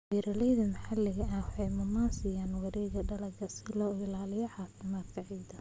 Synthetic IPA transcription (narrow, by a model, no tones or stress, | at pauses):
biːɾɐlɛjðɐmɐħalɪɣɐʔɐwɑħɑjmʊmaːnsɪjaːnwɐɾɛːɡɐɖɐlɐɡɐsɪlɔːɪlaːlɪjɔʕɑːfɪmaːd̪kʰɐʕiːd̪ɐ